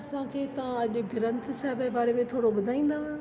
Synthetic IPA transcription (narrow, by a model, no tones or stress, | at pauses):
ɐsãkʰeːt̪ɐʋãɐʄʊ̆ɡɪɾə̃nt̪sɛɦbəbaːɾemẽt̪ʰoːɽoɓʊd̪ʱaːĩːn̆d̪aːɦ